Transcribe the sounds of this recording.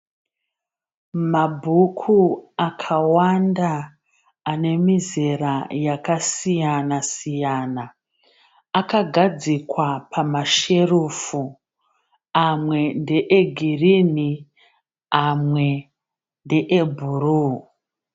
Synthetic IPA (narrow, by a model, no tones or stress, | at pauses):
mabʱukʰuakʰawandaː | ne̞mizerajakasijanasijana | akaɡʱad͡zikwapʰamaʃe̞rufu | amwe̞ndeʔeɡʱirini | amwe̞ | ndeʔebʱuruː